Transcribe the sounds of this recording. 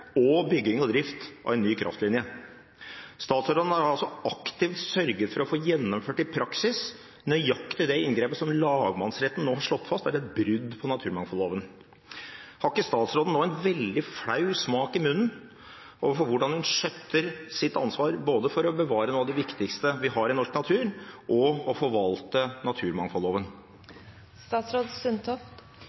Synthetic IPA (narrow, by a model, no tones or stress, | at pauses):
ɔbʏɡːɪŋɔd̪ɾɪft̪ʔɑ̰ʋɛɪnnːyːkʰɾʔɑ̰ft̪lɪnjə | st̪ɑːt̪sɾoːd̪n̩æɾɑlsɔɑkt̪ɪːʋ̪sœɾɡət̪fɔɾɔfoːjɛnːɔmføːʈɪpʰɾɑksɪs | nœjɑkːt̪ʰɪld̪ɛɪnɡɾeːpəsɔmlɑːɡmɑnsɾɛt̪ːn̩noːhɑʂɭɔt̪ːfɑst̪æɾɛt̪bɾʏd̪pʰɔnɑt̪ʰʉːɾmɑŋfɔloːʋən | hɑkːəst̪ɑːt̪sɾoːd̪n̩oːɛnʋɛld̪ɪfɽɑʉsmɑːkɪmʉnn̩ | oːʋəɾfɔɾʋʊɖɑnhʉnʂœt̪ʰːəɾsɪt̪ːɑ̰nsʋɑːɾboːd̪əfɔɾɔbəʋɑːɾənuːɑʋd̪ɛʋɪkt̪ɪkst̪əʋɪɦɑɾɪnɔʂknɑt̪ʰʉːɾʔɔɔfɔɾʋɑlt̪ənɑt̪ʰʉːɾmɑŋfɔlːoːʋən | st̪ɑːt̪sɾoːd̪sʏnt̪ʰɔft̪